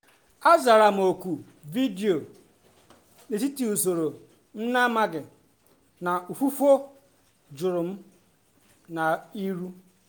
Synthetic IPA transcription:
a˦za˨ɾa˨m̩˨o˨kʷu˨ | vi˦di˨o˨ | ne˨t̬i˦ti˨u˨so˨ɾo˨ | m̩˦na˦ma˦ɡɪ˨ | na˨u˨fu˦fo˦ | d͡ʒʊ˨ɾʊ˨m̩˦ | na˨i˦ɾu˦

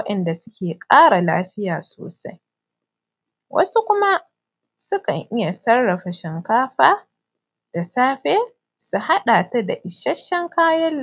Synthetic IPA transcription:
ɐ˦ʔɐ˨nda˨sʊ˦kʲeː˨kʼaː˦ɽa˨laː˦ɸɪ˦jaː˨so̰ː˨sa˦j | wɐ̰˦su˦kʷʊ˦ma˦ | sʊ˦kɐ˨ŋʔɪ˦ja˨sɐ˦rːɐ˨ɸa˨ʃɪ˨ŋkaː˦ɸaː˦ | d̥a˨saː˦ɸeː˦ | su˨ɦa˦ɗaː˨ta˦da˨ʔɪ˨ʃɐ˦ʃːɐ˦ŋkaː˦jɐ˦lː

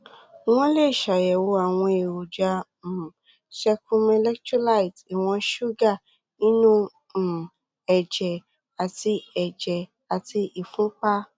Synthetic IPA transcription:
w̃ɔ̃˦le˦˨ʃa˨jɛ˨wo˧˦a˨w̃ɔ̃˧e˨wo˨d͡ʒa˧˨ | ʃɛ˧kũ˧me˧lɛ˦kt͡ʃu˦la˦˨i˨ti˨w̃ɔ̃˧ʃu˦ɡa˦˨ | nĩ˦nũ˦˨ | ɛ˨d͡ʒɛ˨ | a˨ti˧ɛ˨d͡ʒɛ˨ | a˨ti˧ʔi˨fũ˨˦k͡pa˦

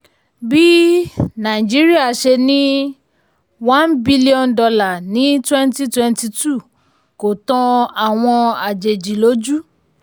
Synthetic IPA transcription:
bi˦nã˨i˨d͡ʒi˨˦ɾi˦a˦˨ʃe˧nĩ˦ | wã˦nbi˦li˦ɔ̃˧ndɔ˧la˦˨nĩ˨˦twɛ̃˦nti˦twɛ̃˧nti˧tu˦˨ | ko˨tɔ̃˧a˨w̃ɔ̃˧a˨d͡ʒe˨d͡ʒi˨lo˨˦d͡ʒu˦

